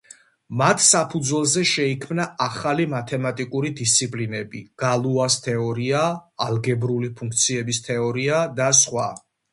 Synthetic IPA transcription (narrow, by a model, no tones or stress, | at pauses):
mat̪ʰsapʰud̪zwɛlˠzɛʃɛikʰmnaaχalimat̪ʰɛmat̪ʼikʼuɾid̪ist̪sʰipʼlinɛbiɡ̥alˠuast̪ʰɛɔɾiaːlˠɡɛbɾulipʰuŋk̚ʰt̪sʰiɛbist̪ʰɛɔɾiad̪asχwa̰